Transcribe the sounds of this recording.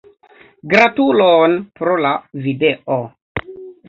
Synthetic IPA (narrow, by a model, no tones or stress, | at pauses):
ɡɾatulonpɾolavideʔo